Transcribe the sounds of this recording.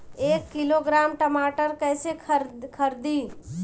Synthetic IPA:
eːkːɪloɡɾaːmʈəmaːʈəɾkɛːseɾkʰəɾd̪iː

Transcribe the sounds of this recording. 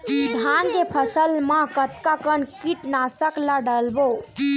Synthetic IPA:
d̪ʱankepʰəsəlmakət̪kakənkiʈnasəklaɖəlbo

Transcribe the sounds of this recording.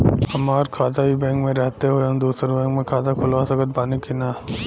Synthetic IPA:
hɐmaːɾkʰaːt̪aɦibɛ̃ːŋkmẽɾɛɦt̪eɦoeɐ̃d̪uːsəɾbɛ̃ːŋkmẽkʰaːt̪akʰʊlʋasɐkət̪̚baːnekinaː

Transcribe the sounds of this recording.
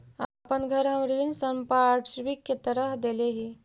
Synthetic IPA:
aːpənɡʱəɾɦə̃mɾiːnsəmpaːʈʰʃʋikːet̪əɾəɦd̪eleɦi

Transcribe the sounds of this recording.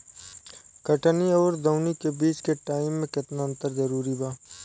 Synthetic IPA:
kəʈənioːɾd̪əʊnikebiːt͡ʃkeʈaːɪmːẽkɪt̪naə̃nt̪əɾzɐɾuːɾibaː

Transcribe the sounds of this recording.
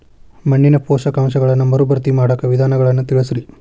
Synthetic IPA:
mɐɳːinɐpoːʃɐkaːmʃɐɡɐɭɐnːɐmɐɾubɐɾt̪imaːɽɐkːɐʋid̪ʱaːnɐɡɐɭɐnːɐt̪iɭɐsɾi

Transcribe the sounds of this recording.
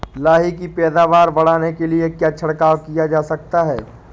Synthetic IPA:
laːɦikipɛːd̪aːʋaːɾbɐɽ̤aːnekeliekjaːt͡ʃʰɐɽkaːʋkijad͡ʒaːsɐk̚t̪aɦɛ̰ː

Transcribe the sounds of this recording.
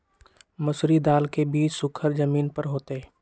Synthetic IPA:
mɐsɾid̪aːlkebiːt͡ʃsʊkʰəɾd͡ʒɐmiːnpəɾɦoːt̪e

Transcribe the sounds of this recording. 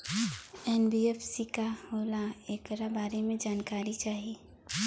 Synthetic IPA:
ɛnbiːɛfsikahoːlaeːkɾabaːɾemẽd͡ʒaːnkaːɾit͡ʃaːɦieː

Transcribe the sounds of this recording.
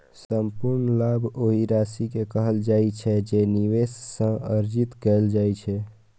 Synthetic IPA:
səmpuɾnlabʱoɦiɾasikekəɦəld͡ʒajt͡ʃʰɛd͡ʒeniʋesːə̃əɾd͡ʒit̪kɛld͡ʒajt͡ʃʰɛ

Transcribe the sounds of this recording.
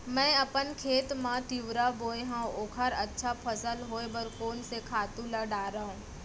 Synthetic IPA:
mɛ̃ːɐpənkʰeːt̪mãt̪ɪʋɾaboːeɦãoːkʰaɾɐtːʃʰapʰəsəlɦoːebəɾkoːnsekʰaːt̪ũləɖaːɾaːɦũː

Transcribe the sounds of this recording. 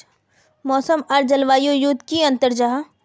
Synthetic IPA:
mɔːsəmɐɾd͡ʒɐlʋaːjojut̪kiɐ̃nt̪əɾd͡ʒaːɦ

